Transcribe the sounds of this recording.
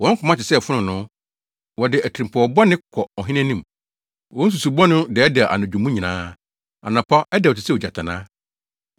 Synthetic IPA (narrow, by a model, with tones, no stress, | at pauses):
wɔ̃˨˦ŋ̩˦kʰʊ̃˨mã˦tɪ˨sɛ˦˨fʊ˦nʊ̃˨nʊ̃˦ | wɔ˨dɪ˨æ˨tʰɾĩ˨mpʰɔ˨ɔ˨bɔ˦nɪ̃˦kʰɔ˨ɔ˨ɦɪ̃˦nɛ̃˦nĩ˦m˨ | wɔ̃˦n˦s̬u˨su˨bɔ˦nʊ̃˦dɪ˨ɛ˦dɛ˨ʔa̰˨nʊ̃˨d͡ʑᶣu˨mũ˦ɲĩ˨nãː˦ | a̰˨nã˨pʰa˦ɛ˦dɛ˨tɪ˨sɛ˦o˨d͡ʑa̰˨tʰa˨nã̰ː˦